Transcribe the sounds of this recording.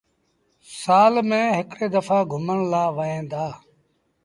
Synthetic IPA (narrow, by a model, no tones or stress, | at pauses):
saːlmẽːɦɪkɽeːd̪əfaːɡʱʊməɳlaːʋəɦẽːnd̪aː